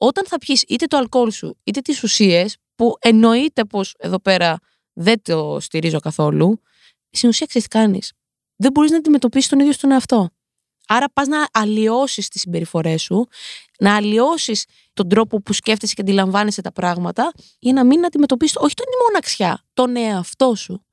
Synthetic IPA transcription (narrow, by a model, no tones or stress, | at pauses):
o̞t̪ɐnθɐpçisit̪e̞t̪oɐlko̞lsṵit̪et̪isusie̞s | puʔe̞no̞it̪e̞po̞se̞ðo̞pe̞ɾɐ | ðe̞t̪ost̪iɾizo̞kɐθo̞lu | st̪inusiɐksesθi̥kɐnḭs | ðe̞bo̞ɾiznɐːd̪ime̞t̪o̞pisist̪o̞niðjost̪oneɐft̪o̞ | ɐɾɐpɐznɐːlio̞sist̪isimbe̞ɾifo̞ɾe̞su | nɐːlio̞sis | t̪o̞nd̪ɾo̞po̞pusce̞ft̪eseceɐd̪ilɐɱvɐneset̪ɐpɾɐɣmɐt̪ɐ | ʝɐnɐminɐd̪ime̞t̪o̞pisisto̞çi̥t̪onimo̞nɐksçɐt̪o̞ne̞ɐft̪o̞su